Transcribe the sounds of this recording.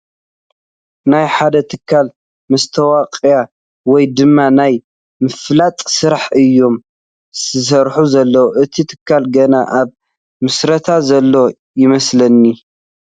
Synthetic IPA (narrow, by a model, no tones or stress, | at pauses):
najħad̪ɐt̪ʰɨkʰːal | mɨst̪ʰɐwaqʼja | wɔjd̪ɨmːanaj | mɨflat̪ʼsɨɾaħʔɨjːo̞m | sɨs̬ɐɾħuzɐlːɐwoʔɨt̪ʰit̪ʰɨ̥kʰːalɡɐnaʔaβ | mɨsɾɐt̪ʰazɐlːo̞ | jɪmɐslɐnːi